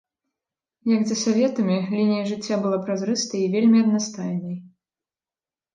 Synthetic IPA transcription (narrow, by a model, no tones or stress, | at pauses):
jɐɡzɐsavʲɛt̪ɐmʲilʲinʲijɐʐɨt͡sʲːabɨlˠapɾazɾɨst̪ɐivʲelʲmʲiɐd̪nast̪ajnɐj